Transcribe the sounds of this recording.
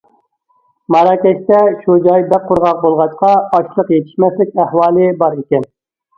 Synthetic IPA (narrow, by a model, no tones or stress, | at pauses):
mɑɾɑkʲɛʃt̪ɛʃud͡ʒɑjb̪ɛqʰːʊɾʁɑq̚bolˠʁɑʃqɑɑʃlˠəqjet̪ʰɪ̥ʃmɛslɪkʲæhwɑːlˠɨbɑɾikʲɛn